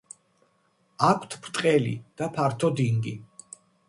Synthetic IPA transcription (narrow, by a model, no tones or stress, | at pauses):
akʷʰt̪ʰpʰɾt̪ʼqʼɛlḭd̪̥apʰaɾt̪ʰɔd̪iŋɡḭ